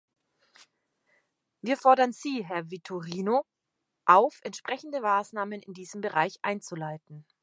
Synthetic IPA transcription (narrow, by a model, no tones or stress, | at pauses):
viːɐfɔɐdɐnziːɦɛɐvitʰuʁiːno | ʔaʊfʔɛntʃpʁ̥ɛçn̩dəmaːsnaːmənɪndiːzəmbəʁaɪçʔa̰ɪnt͡sulaɪtn̩